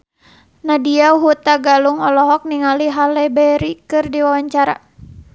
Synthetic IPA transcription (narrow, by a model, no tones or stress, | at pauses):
nadiaɦut̪aɡaluŋɔlɔɦɔk̚niŋaliɦalɛbɛɾikɨrdiwawaɲt͡ʃaɾa